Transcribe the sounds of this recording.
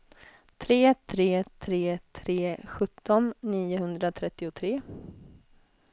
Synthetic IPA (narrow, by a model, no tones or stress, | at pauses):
t̪ʰɾeːt̪ʰɾeːt̪ʰɾeːt̪ʰɾeːɧɵt̪ːɔnːiːʊɦɵnd̪ɾat̪ʰɾɛt̪ːɪʊt̪ʰɾeː